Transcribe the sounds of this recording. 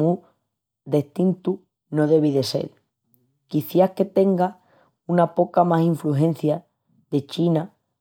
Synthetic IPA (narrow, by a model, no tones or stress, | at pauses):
u | d̪e̞ht̪int̪u | no̞ðe̞β̞iðe̞se̞̰ɾ | kiθjahke̞t̪e̞ŋɡa | unapo̞kamasiɱfluɦe̞n̟θja | ðe̞t͡ʃina